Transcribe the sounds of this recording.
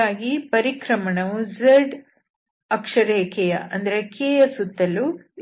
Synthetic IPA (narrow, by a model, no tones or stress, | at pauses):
aːɡipɐɾikɾɐmɐɳɐʋud͡ʒeɖ | ɐkʂɐɾeːkɛjɐɐnd̪ɐɾekeːjɐsut̪ːɐlu